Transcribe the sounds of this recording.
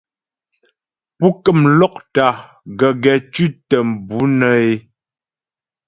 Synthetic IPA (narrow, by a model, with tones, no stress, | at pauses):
pu˦kə˦˨mlɔ˦k̚ta˨˦ | ɡə˨ɡɛ˨t͡ʃʉ˦tə˨m̩˨bu˨˦nə˦e˦